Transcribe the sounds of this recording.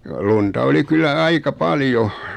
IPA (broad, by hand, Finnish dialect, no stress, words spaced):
luntɑ oli kylːæ ɑikɑ pɑljo